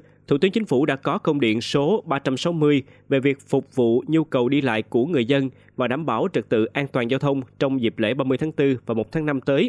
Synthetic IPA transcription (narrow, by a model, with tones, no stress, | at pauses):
t̪ʰṵ˧˩t̪ɨ˨˦ŋt͡ɕï˨˦ŋ̟fu˧˩ɗa̰ː˧˥kɔ˨˦kə˧wŋ͡mɗḭ˧˨ənso˨˦ɓaː˧t͡ɕa˧msa˨˦wmɨ˧əj | ve˨˩vi˨˩ək̚fʊ˨˩k͡p̚vṵ˧˨ɲu˧kə˨˩wɗi˧la̰ː˧˨jku˧˩əŋɨ˨˩əjzə˧n | vaː˨˩ɗaː˧˩mɓaː˧˩wt͡ɕɨ˨˩k̚t̪ɨ̰˧˨ʔaː˧nt̪waː˨˩nzaː˧wt̪ʰə˧wŋ͡mt͡ɕɔ˧wŋ͡mzi˨˩p̚lḛ˧˥ɓaː˧mɨ˧jt̪ʰaː˨˦ŋt̪ɨ˧vaː˨˩mo˨˩t̪ʰaː˨˦na˧mt̪əː˨˦j